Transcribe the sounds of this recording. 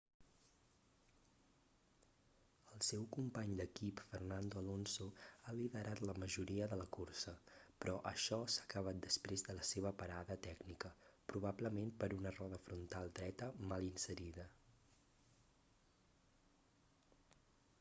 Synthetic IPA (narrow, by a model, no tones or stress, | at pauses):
əlˠsɛwkumpaɲd̪əkipfərnand̪oəlonsoaliðəɾʔat̪ləməʒuɾiəðələkursəpɾɔʔəʃɔsakəβ̞at̪̚d̪əspɾezðələseβ̞əpəɾaðət̪ɛɡnikəpɾuβ̞abləmempəɾunərɔðəfɾunt̪alˠd̪ɾɛt̪əmalˠinsəɾiðə